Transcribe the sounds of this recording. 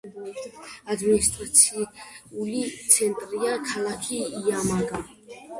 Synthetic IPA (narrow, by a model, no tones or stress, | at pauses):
ad̪minist̪ʼɾat̪sʰiulit̪sʰɛnt̪ʼɾiakʰalakʰiːamaɡa